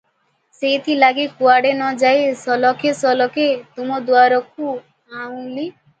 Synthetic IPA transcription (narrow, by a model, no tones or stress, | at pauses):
seit̪ʰilaɡikuaɽenɔd͡ʒaesɔlɔkʰesɔlɔket̪umɔd̪uaɾɔk̚u | aũli